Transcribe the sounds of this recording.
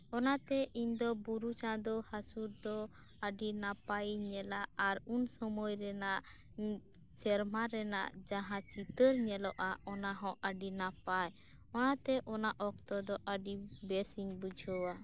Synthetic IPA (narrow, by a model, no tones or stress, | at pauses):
ɔnat̪ɛʔiɲd̪ɔbuɾut͡ʃãd̪ɔhasuɾd̪ɔəɖinapajɲɛlaaɾunsɔmɔjɾɛnaʔ | t͡ʃɛɾmaɾɛna̰ʔd͡ʒaɦãt͡ʃit̪əɾɲɛlɔʔaɔnaɦɔ̃ʔəɖinapaj | ɔnat̪ɛʔɔnaʔɔk̚t̪ɔd̪ɔʔəɖibɛsiŋbəd͡ʒʱɔwa